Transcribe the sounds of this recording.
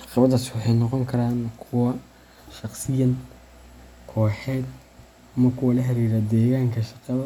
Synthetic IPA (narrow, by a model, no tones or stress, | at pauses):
ʕɑqɑβɐðɐswɑħɑjnɔqɔŋkʰɐɾaːnkʰʊwɐ | ʃɑχsɪjɐn | kʰɔːħɛːd̪̚ | amɐkʰʊwɐlɐɦɐɾiːɾɐd̪ɛːɣaːŋkʰɐʃɑqɑβɐ